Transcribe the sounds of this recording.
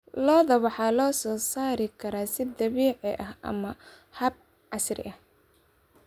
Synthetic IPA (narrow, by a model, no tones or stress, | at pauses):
lɔːðɐwɑħɑːlɔːsɔːsaːɾɪkʰɐɾaːsɪd̪ɐβiːʕɪʔɐhʔɐ̰mɐ | hɐb̚ | ʕɑsrɪ̰ʔɐh